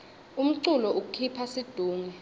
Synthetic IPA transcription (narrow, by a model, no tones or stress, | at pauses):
um̩ǀulɔuk̬ukʰipʰasid̥ʱuːŋɛ